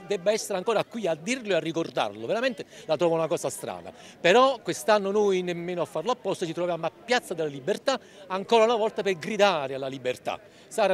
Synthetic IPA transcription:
d̪ɛbːaɛsːeɾeaŋkoːɾakːwiad̪ːirloearːikord̪a̰rloveɾament̪elat̪ɾɔːvaunakɔːsast̪ɾa̰ːna̰ | peɾɔkːwest̪anːonojnemːeːnoafːarloapːɔst̪ot͡ʃit̪ɾovjaːmoapːjat̪sːad̪elːalibːert̪a | aŋkoːɾaunavɔlt̪aperɡɾid̪aːɾealːalibert̪a̰ | saːɾa

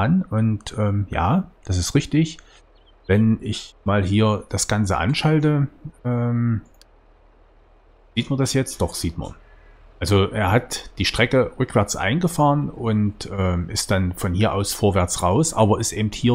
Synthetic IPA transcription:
nʔʊntʔɛːmja̰ːd̥as̬ɪstʁɪçtɪç | vɛnɪçmaːlɦiːɐd̥asɡ̥ant͡sə̰ʔa̰nʃaltəʔɛːm | ziːtmɐndasjɛt͡st̚d̥ɔχz̥iːtmɐ̰n | ʔalzoʔeːɐɦatd̥iːʃtʁ̥ɛkəʁʏkv̥ɛɐt͡sʔa̰ɪnɡəfaːʁənʊntʔɛːmʔɪst̚d̥anfɔnhiːɐʔa̰ʊsfoːɐvɛɐt͡sʁaʊsʔa̰ːbɐɪstʔeːbmthiːɐ

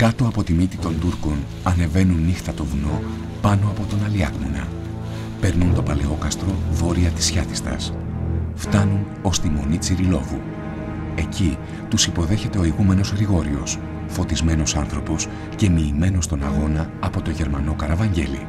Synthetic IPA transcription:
kɐt̪o̞ɐpo̞t̪imit̪it̪o̞nt̪uɾko̞n | ɐne̞ve̞nunːixt̪ɐt̪o̞vuno̞ | pɐno̞ɐpo̞t̪o̞nɐliɐɣmonɐ̰ | pe̞ɾnunt̪o̞pɐle̞o̞kɐst̪ɾo̞vo̞ɾiɐt̪i̥sçɐt̪i̥st̪ɐ̰s | ft̪ɐnun | o̞st̪imo̞̰nit͡siɾilo̞vu | e̞ci | t̪usipo̞ðe̞çe̞t̪e̞o̞iɣume̞no̞zɣɾiɣo̞ɾio̞̰s | fo̞t̪izme̞no̞sɐnθɾo̞po̞s | ce̞miːme̞no̞st̪o̞nɐɣo̞nɐːpo̞t̪o̞ʝe̞ɾmɐno̞kɐɾɐvɐɲɟe̞̰lḭ

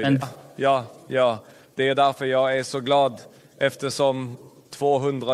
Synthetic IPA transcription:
jɑːjɑː | d̪̥ɛæɾɖ̪æɾfœɾjɑːɡæɾʂɔɡlɑːd̪ | ʔɛft̪əʂɔm | t̪ʰv̥oːɦɵnd̪ɾa

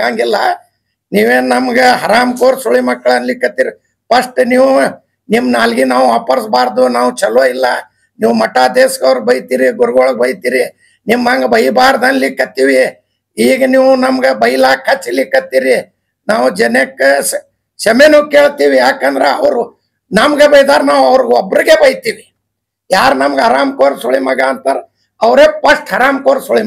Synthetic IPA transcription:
aːŋɡilːɐ | niːʋeːnnɐmɐɡeɦɐɾaːmkoːɾsuɭimɐkːɐɭɐnlikːɐt̪iːɾi | pɐʂʈniːʋu | nimːnaːlɡinaːʋaːpɐɾsbaːɾd̪unaːʋut͡ʃɐlʋoːilːɐ | niːʋmɐʈːaːd̪eːskɐʋɾbɐjt̪iːɾiɡuɾɡoːɭɡ̚bɐjt̪iːɾi | nimːɐŋɡɐbɐjbaːɾd̪ɐnlikːɐt̪ːiːʋi | iːɡɐniːʋunɐmɐɡebɐjlaːkʰːɐt͡ʃːilikːɐt̪iːɾi | naːʋud͡ʒɐnekː | ʃɐmeːnukeːɭt̪iːʋijaːkɐnd̪ɾeɐʋɾu | nɐmɡebɐjd̪aːɾnaːʋɐʋɾɡɔbːɾiɡebɐjt̪iːʋi | jaːɾnɐmɐɡɦɐɾaːmkoːɾsuɭimɐɡaːnt̪aːɾe | ɐʋɾeːpɐsʈɦɐɾaːmkoːɾsoɭi

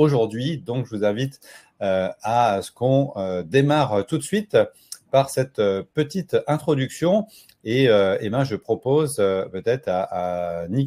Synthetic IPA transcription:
oʒuʁd̪ɥid̪ɔ̃kʒəvuzɛ̃vit̪ | øasə̥kɔ̃ød̪emaʁt̪ut̪sɥit̪ | paʁsɛt̪pət̪it̪ɛ̃t̪χɔd̪yksjɔ̃ | eøemãʒəpχɔpozøpøt̪ɛt̪χaːni

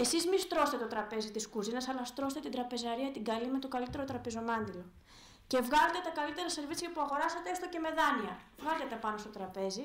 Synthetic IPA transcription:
e̞sizmist̪ɾo̞st̪e̞t̪ot̪ɾɐpe̞zit̪iskuzinɐsɐlɐst̪ɾo̞s̬t̪e̞t̪ind̪ɾɐpe̞zɐɾiɐt̪iɡɐlime̞t̪o̞kɐlit̪e̞ɾo̞t̪ɾɐpe̞zo̞mɐnd̪ilo̞ | ce̞vɣɐlet̪et̪ɐkɐlit̪e̞ɾɐse̞ɾvit͡siɐpuɐɣo̞ɾɐsɐt̪eest̪o̞ce̞me̞ðɐniɐvɣɐlt̪et̪epɐno̞st̪o̞t̪ɾɐpe̞zi

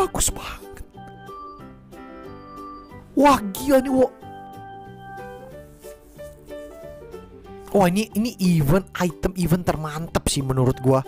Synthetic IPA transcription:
aku̥sə̥pakə̥t̪̚ | waɡiɔniwɔʔ | wainiʔiniʔiwənait̪əmiwənt̪ərmant̪əp̚sɪhmənuɾʊt̪̚ɡua

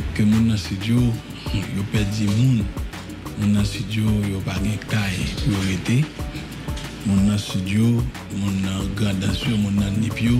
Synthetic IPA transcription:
kømũnːɐ̃sidjo | jopɛd͡zimũn | mũnːãsidjojopaɡɛ̃kajujoɣet̪e | mũnːɐ̃sidjo | mũnːãɡãdãsjomũnːãnĩpjo

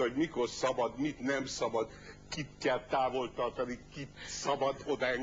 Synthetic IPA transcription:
hoɟmiko̞rsɒbɒd̪mit̪nɛmsɒbɒd̪ | kit̪kɛlt̪aːvo̞lt̪ɒrt̪ɒnikit̪sɒbɒd̪od̪ɒɛŋ

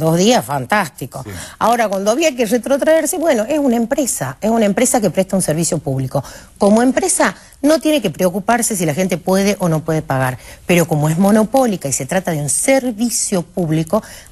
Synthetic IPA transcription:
d̪o̞zðiasfant̪ast̪ikoa̰o̞ɾakwand̪oaβiakeret̪ɾot̪ɾaeɾse̞βwe̞no̞ʔesunaempɾesaesunaempɾesak̬epɾeht̪aunseɾβ̞isjo̞puβliko̞ko̞mo̞empɾesa | no̞t̪je̞ne̞ke̞pɾeo̞kupaɾse̞s̬ilaxent̪e̞pwe̞ðeʔonopwe̞ðepaɣaɾpe̞ɾo̞ko̞moe̞zmo̞no̞po̞likaise̞t̪ɾat̪aðeunseɾβisjo̞puβliko̞

